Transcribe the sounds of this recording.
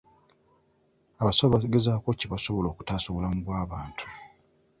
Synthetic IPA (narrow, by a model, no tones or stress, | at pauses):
aβasaβaɡezaːko̞ciβaso̞βolo̞ːku̥tasoβolamuβwaːβaːntʰu̥